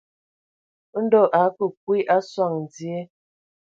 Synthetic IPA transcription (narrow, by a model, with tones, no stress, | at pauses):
n̩˦dɔ˦˨ʔa˨˦kə˨k̚wi˦ʔa˦swa˦˨ŋn˨d͡zje˦